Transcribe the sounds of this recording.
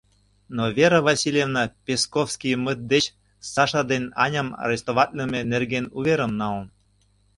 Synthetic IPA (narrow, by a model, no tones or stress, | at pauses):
novʲeɾə̆vɑsʲilʲevnəpʲeskofskijmət̪̚d̪et͡ɕ | sɑʃɑd̪enɑnʲəmɑ̰ɾest̪ovɑt̪ʲlʲemʲenerɡenuβeɾəmnɑlən